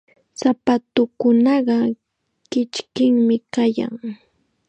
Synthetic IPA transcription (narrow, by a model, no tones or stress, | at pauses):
sapat̪ʊkʊnɑɢɑ | kɪt͡ʃkɪŋmɪkaja̰ŋ